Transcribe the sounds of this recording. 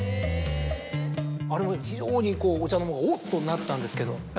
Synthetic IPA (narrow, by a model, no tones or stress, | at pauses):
aɾimoçid͡ʑoːɲik͈oːt͡ɕanomoɡaot͈ːonːat͈ande̞sɯ̥ke̞do